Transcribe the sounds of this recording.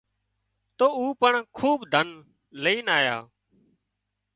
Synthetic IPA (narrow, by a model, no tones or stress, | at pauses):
t̪oːuːpəɳkʰuːbd̪ʱən | leiːnaːjaː